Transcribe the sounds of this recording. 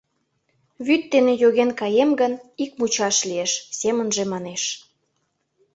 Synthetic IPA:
βyt̪ːenejoɣenkɑjemɡənikmut͡ɕɑʃlieʃsemənʒemɑneʃ

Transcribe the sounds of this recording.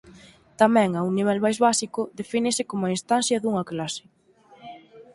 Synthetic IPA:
t̪amɛ̃ŋawniβ̞ɛlβajzβasikʊðefinɪsɪkomʊainst̪anθjɐðuŋɐklasɪ̥

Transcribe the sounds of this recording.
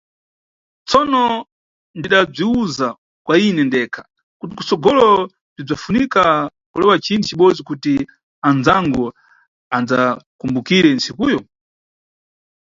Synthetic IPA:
t͡sɔnɔ | ndiɗab͡ʐiuza | kwainɛndɛkʰḁ | kutiku̥sɔɡɔlɔ | ndib͡ʐafunikakulɛwat͡ʃinʰit͡ʃiɓɔd͡zikuti | and͡zaŋɡɔ | and͡zakumbukiɾɛnt͡sikuːjɔ

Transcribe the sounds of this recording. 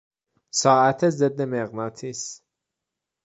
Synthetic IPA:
sɒːʔæt̪ʰezed̪ːemeɣnɑːt̪ʰiːs

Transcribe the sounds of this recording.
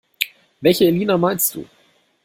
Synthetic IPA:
vɛlçəɪliːnamaɪnst̚d̥ṵː

